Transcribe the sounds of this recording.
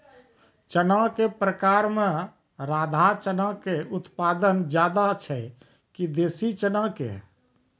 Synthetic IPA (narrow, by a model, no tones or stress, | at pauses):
t͡ʃənakepɾəkaɾmẽ | ɾad̪ʱat͡ʃənakeut̪pad̪ənd͡ʒjad̪at͡ʃʰɛ | kid̪esit͡ʃənakḛ